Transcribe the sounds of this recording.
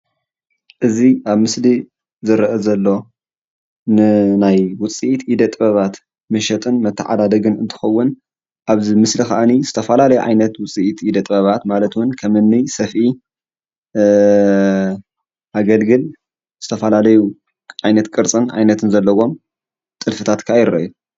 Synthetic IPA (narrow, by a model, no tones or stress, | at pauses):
ʔɨziʔaβmɨsli | zɨɾɐʔɐzɐlːo̞ | nɨnajwʊt͡sʼiʔit̪ʔid̪ɐt̪ʼbɐβat̪ | mɐʃɐt̪ʼɨnmɐt̪ʰːɐʕa̰d̪ad̪ɐɡɨnɨnt̪ʰɨ̥xɐwːʊn | ʔaβzimɨslixɐʔanizɨt̪ʰɐfɐlalɐjuʕa̰jnɐt̪wʊt͡sʼiʔit̪ʔid̪ɐt̪ʼbɐβat̪malɐt̪wʊnkʰɐmɨnːisɐfʔi | ʔaɡɐlɡɨl | z̥ɨt̪ʰɐfɐlalɐju | ʕajnɐt̪kʼɨɾt͡sʼɨnʕa̰jnɐt̪ʰɨnzɐlːɐwo̞m | t̪ʼɨlfɨt̪ʰat̪kʰaajɪɾɐ̰ʔu